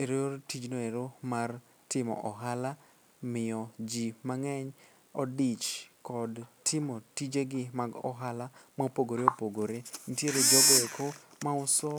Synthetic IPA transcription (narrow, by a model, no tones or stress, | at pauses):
eɾooɾtid͡ʒnoeɾomar | tɪmɔ̰ʔɔɦala | mɪɔd͡ʒimaŋɛɲ | ɔdit͡ʃkɔdtʰɪmotid͡ʒeɡɪmaɡɔ̰ɦalamapoɡoɾeopoɡoɾen̩tjeɾed͡ʒɔɡɔekʰo | maʊsɔ